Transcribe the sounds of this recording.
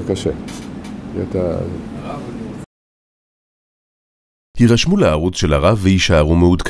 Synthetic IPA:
kaʃe | iat̪a | hiʁaʃmuleaʁut͡sʃe̞laʁavːeiʃaaʁumeud̪kʰ

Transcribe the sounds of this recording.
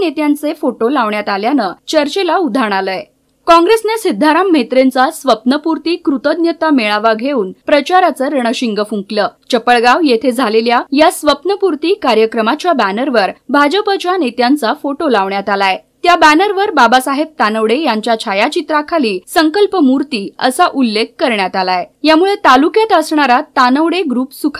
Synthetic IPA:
net̪jãnt͡sefoʈolaʋɳjat̪aljanət͡ɕəɾt͡ɕelaud̪ʱaɳ̃aləe | kɔ̃ŋɡɾesnesid̪ʱːaɾam̤ːet̪ɾent͡sasʋəpnəpuɾt̪iːkɾut̪əd̪njət̪ameɭaʋaɡʱeuːnpɾət͡ɕaɾat͡səɾəɳ̃əɕiŋɡəfũŋkləːt͡ɕəpəɭɡaʋjet̪ʰed͡zʱaleljajasʋəpnəpuɾt̪iːkaɾjəkɾəmat͡ɕjabænəɾʋəɾbʱad͡ʑəpət͡ɕjanet̪jant͡safoʈolaʋɳjat̪alae | t̪jabænəɾʋəɾbabasaɦeb̚t̪anəʋɽejaɲt͡ɕjat͡ɕʰajat͡ɕit̪ɾakʰaliːsəŋkəlpəmuɾt̪iːə̰saʔulːekːəɾɳjat̪alaejamuɭet̪alukjat̪əsɳaɾat̪anəʋɽeɡɾuːpsukʰa

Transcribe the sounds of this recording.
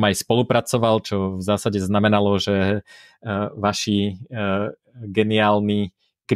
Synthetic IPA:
majspɔlupɾat͡sɔʋalt͡ʃɔvzaːsaɟɛznamɛnalɔʒɛ | ʋaʃi | ɡɛniaːlni | kɾ

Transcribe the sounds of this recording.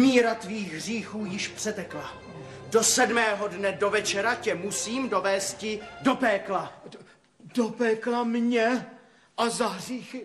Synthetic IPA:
miːɾat̪viːɣɦriːxuːjɪʃpr̥ɛt̪ɛkla | do̞sɛdmɛːɦodnɛdo̞vɛt͡ʃɛɾacɛmusiːmdo̞vɛːst̪̚cɪdo̞pɛːkla | dopɛːklamɲɛ | ʔazaɦriːxɪ

